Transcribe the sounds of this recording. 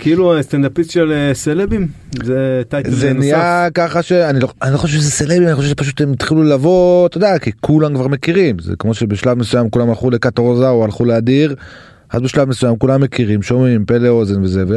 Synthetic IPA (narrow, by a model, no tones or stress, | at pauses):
kiluest̪and̪apist̪ʃeleselebim | zet̪ajtzenniakaχaʃe̞aniloanilo̞χoʃevʃezeselebimaniχo̞ʃeʃepaʃ̬ut̪emit̪χilulavo̞t̪odeakikulamkvaʁme̞kiʁimzḛkmo̞ʃe̞beʃlavmesujamkulamalχule̞kat̪aʁozaoalχuleadiʁ | ʔa̰zbeʃlavmesujamkulamːe̞kiʁimʃo̞mimpeleo̞ze̞nvezeve